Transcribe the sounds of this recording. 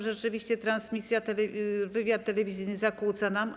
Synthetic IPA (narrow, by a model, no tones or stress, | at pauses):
ʐɛt͡ʂɘvʲiɕt͡ɕɛt̪ɾansmʲisʲjat̪ɛlɛvɘvʲjat̪ːɛlɛvʲizʲijnɘzakut̪sanam